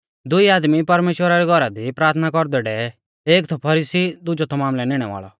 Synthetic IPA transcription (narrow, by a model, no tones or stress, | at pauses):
d̪ʊiaːd̪mipɐɾmeːʃwəɾaɾɛɡʱɔɾad̪ipɾaːɾt̪ʰnakɔɾd̪ɛɖɛ | eːkt̪ʰɔpʰɐɾiːsid̪ʊd͡ʒɔt̪ʰɔmaːmlɛnɪɽ̃ɛʋa̰ːɭɔ̰